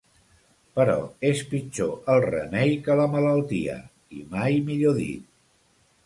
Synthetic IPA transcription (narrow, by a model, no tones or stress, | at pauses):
pəɾɔ̰espid͡ʒoʔəlˠrə̰mɛjkələmələlˠt̪iə̰ | ḭmajmiʎoðḭt̪̚